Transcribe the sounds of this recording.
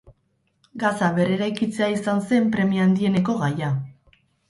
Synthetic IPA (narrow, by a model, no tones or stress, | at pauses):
ɡasaβe̞ɾe̞ɾajkit͡se̞aisanse̞mpɾe̞miand̪ie̞ne̞ko̞ɣaja